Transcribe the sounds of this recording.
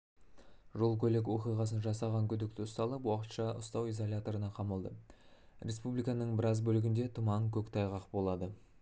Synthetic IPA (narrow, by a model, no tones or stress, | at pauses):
ʒo̞lˠkʲʰɵlek̬wo̞qijʁɑsənʒɑsɑʁɑŋkʲʰʏd̪ɪk̚t̪ɪʊst̪ɑlˠəpwɑqət̪ʃɑʊ̰st̪ɑwizolʲat̪o̞ɾənɑqʰɑməlˠd̪əɾʲe̞spublijkɑnəɴbɪɾɑzbɵlɪɡʲɪnd̪e̞t̪ʰʊmɑŋkʲʰɵkt̪ʰɑjʁɑqbo̞lˠɑd̪ə